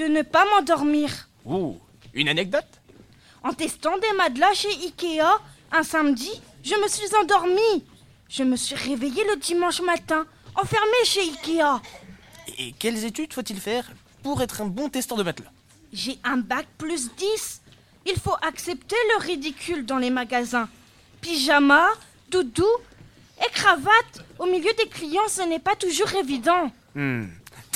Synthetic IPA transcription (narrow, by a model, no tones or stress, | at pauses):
d̪̥ənəpamɑ̃d̪ɔʁmiːʁ | ṵ | y̰nanɛk̚d̪ɔt̪ | ɑ̃t̪ɛst̪ɑ̃d̪emad̪laʃeikʲea | ɛ̃samd̪iʒəməsɥizɑ̃d̪ɔʁmi | ʒ̥əməsɥiʁevejeləd̪imɑ̃ʃmat̪ɛ̃ | ɑ̃fɛʁmeʃeikʲea | ḛkʲɛlzet̪yd̪fot̪ilfɛʁ | puʁɛt̪χɛ̃bɔ̃t̪ɛst̪œʁd̪əbat̪la | ʒeɛ̃bak̚plys̬d̪is | ilfoʔaksɛpt̪eləʁid̪ikʲʰyld̪ɑ̃lemaɡazɛ̃ | piʒama | d̪ud̪u | ekχavat̪omiljød̪eklijɑ̃sənɛpat̪uʒuʁevid̪ɑ̃